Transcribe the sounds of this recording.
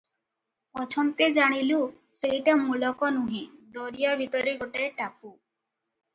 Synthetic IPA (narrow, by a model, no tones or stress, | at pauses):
ɔt͡ʃʰɔnt̪ed͡ʒaɽ̃ilu | seiʈamulɔkɔnũɦĩd̪ɔɾijabʱit̪ɔɾiɡɔʈaeʈaku